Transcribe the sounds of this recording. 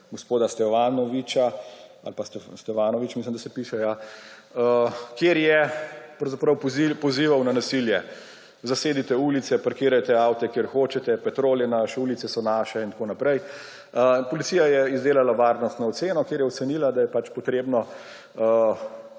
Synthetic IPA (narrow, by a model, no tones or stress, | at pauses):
ɡospoːd̪ast̪ɛʋanɔʋit͡ʃaa̰lpast̪ɛst̪ɛfaːnɔʋit͡ʃmislimd̪asɛpiːʃɛja | əkjeːɾjɛpɾɐwzapɾɐwpɔziːʋawnanasiljɛ | zaseːd̪it̪ɛulit̪sɛpɾɛkiːɾajt̪ɛawt̪ɛkjeːɾxoːt͡ʃɛt̪ɛpɛt̪ɾoːljɛnaʃɛuːlit̪sɛsɔnaːʃɛint̪akoːnapɾɛj | pɔlit̪sijajɛizd̪eːlalaʋaɾnɔst̪nɔːt̪seːnɔkjeːɾjɛɔt̪sɛnilad̪ajɛpat͡ʃpɔt̪ɾeːbnɔ